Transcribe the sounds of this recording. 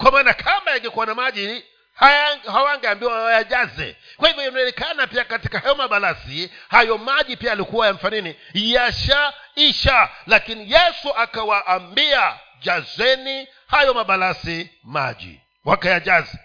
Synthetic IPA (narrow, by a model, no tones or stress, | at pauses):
kwamaːnakʰambajaŋɡɛkuwanamaʄi | hahawaŋɡɛambiwawajaʄazɛ̰kwahivjɔjanaɛnɛkanapiakati̥kahajɔmaɓalasihajɔmaʄipiaːlikuwajam̩fanini | jaʃaiʃalakinijɛsuʔakawaʔːmbia | ʄazwɛni | hajɔmaɓalasi | ma̰ʄḭ | wakajaʄazɛ